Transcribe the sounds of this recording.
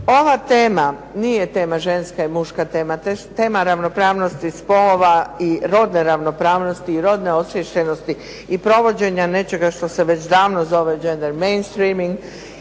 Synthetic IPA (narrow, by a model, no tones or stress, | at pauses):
o̞ʋat̪eːmanijet̪e̞ːmaʒe̞nskaimuʃkat̪e̞ːmat̪et̪e̞ːmaɾaʋno̞pɾaːʋno̞st̪ispo̞loʋaiɾo̞d̪ne̞ɾaʋno̞pɾaːʋno̞st̪iiɾo̞d̪ne̞o̞sʋjeʃʎeno̞st̪i | ipɾo̞ʋo̞d͡ʑe̞ɲane̞t͡ʃe̞ɡaʃt̪o̞seʋe̞t͡ɕd̪aːʋnozo̞ʋed͡ʒe̞nd̪eɾmejnst̪ɾiːmiŋɡ